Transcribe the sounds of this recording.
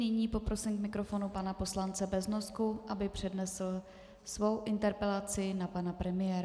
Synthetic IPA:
nɪɲiːpo̞pɾo̞sɪmkmɪkɾo̞fo̞nupanapo̞slant͡sɛbɛznoskuʔabɪpr̝̥ɛdnɛsl̩ | svo̞wʔɪnt̪ɛɾpɛlat͡sɪnapanapɾɛmɪjɛːɾa

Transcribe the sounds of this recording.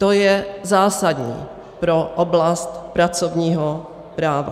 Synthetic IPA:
t̪ojɛzaːsad̪ɲḭː | pɾoʔoblast̪pɾat͡sovɲiːɦo | pɾaːva̰

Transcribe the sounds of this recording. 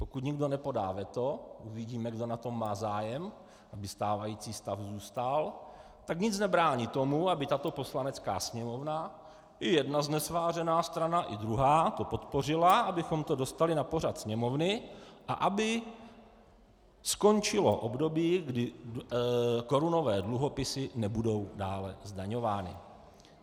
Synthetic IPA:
po̞kut̪ɲɪɡdo̞nɛpo̞da̰ːvɛt̪o̞ʔuvɪɟiːmɛɡdo̞nat̪o̞mːaːzaːjɛm | ʔabɪst̪aːvajiːt͡siːst̪afzuːst̪al | t̪akɲɪt͡snɛbɾaːɲit̪o̞muabɪt̪at̪o̞po̞slanɛt͡ska̰ːsɲɛmo̞vna | ɪjɛdnaznɛsvaːr̝ɛnaːst̪ɾanaʔɪdɾuɦaːt̪o̞po̞t̪po̞r̝ɪlaʔabɪxo̞mt̪o̞do̞st̪alɪnapo̞ɾ̝at̪sɲɛmo̞vnɪʔa̰ʔabɪ | sko̞nt͡ʃɪlo̞̰ʔo̞bdo̞biːɡdɪ | ko̞ɾuno̞vɛːdluɦo̞pɪsɪnɛbudo̞wdaːlɛzdaɲo̞vaːnɪ̰

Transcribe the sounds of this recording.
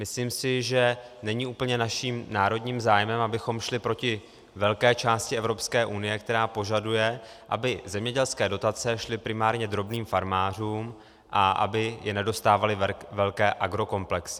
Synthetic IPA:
mɪsliːmsɪʒɛnɛɲɪʔuːpl̩ɲɛnaʃiːmnaːɾo̞dɲiːmzaːjmɛmʔabɪxo̞mʃlɪpɾo̞cɪ | vɛlkɛːt͡ʃaːscɪʔɛvɾo̞pskɛːʔunɪjɛkt̪ɛɾaːpo̞ʒadujɛ | ʔa̰bɪzɛmɲɛɟɛlskɛːdo̞t̪at͡sɛʃlɪpɾɪmaːɾɲɛd̪ɾo̞bniːmfaɾmaːr̝uːm | ʔaʔa̰bɪjɛnɛdo̞st̪aːvalɪvɛlkɛːʔaɡɾo̞ko̞mplɛksɪ̥

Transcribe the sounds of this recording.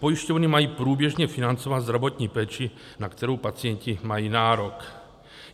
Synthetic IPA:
pojiʃcovnimajiːpɾuːbjɛʒɲɛfinant͡sovat̪zd̪ɾavot̪ɲiːpɛːt͡ʃi | nakt̪ɛɾowpat͡sɪjɛncimajiːnaːɾok

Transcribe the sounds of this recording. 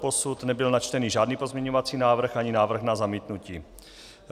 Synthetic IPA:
posut̪nɛbɪlnat͡ʃt̪ɛniːʒaːdniːpozmɲɛɲovat͡siːnaːvr̩xʔaɲɪnaːvr̩xnazamiːt̪nuciː

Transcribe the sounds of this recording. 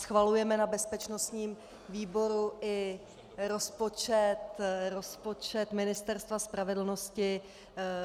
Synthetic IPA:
sxvalujɛmɛnabɛspɛt͡ʃno̞st̪ɲiːm | viːbo̞ɾuʔɪ | ɾo̞spo̞t͡ʃɛt̪ɾo̞spo̞t͡ʃɛt̪mɪnɪst̪ɛɾst̪vaspɾavɛdl̩no̞scɪ

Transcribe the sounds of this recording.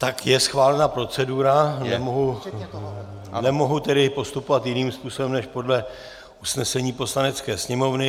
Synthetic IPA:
t̪akjɛsxvaːlɛnapɾo̞t͡sɛduɾanɛmoɦu | nɛmoɦut̪ɛdɪpo̞st̪upovat̪jɪniːmspuːsobɛmnɛʃpo̞dlɛ | usnɛsɛɲiːpo̞slanɛt͡skɛːsɲɛmovnɪ

